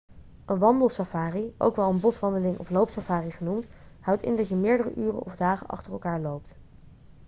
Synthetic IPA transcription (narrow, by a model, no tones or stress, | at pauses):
ʔənʋɑndəlˠsafaːriʔo̰wkʋɛlˠənbɔsʋɑndəlɪŋʔɔ̰flowpsafaːriχənumthʌwtɪ̰ndɑtjəmɪːɹdərə̰ʔyːrə̰nɔvdaːχənʔɑ̰χtərɛlˠkaːɹlowp̚t